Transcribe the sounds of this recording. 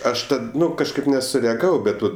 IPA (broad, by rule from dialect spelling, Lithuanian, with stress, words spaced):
ˈɐʃ ˈtɐt ˈnʊ kɐʃˈkɐɪp nʲɛsʊrʲɛɐˈɡɑːʋɐʊ ˈbʲɛt ʋɐt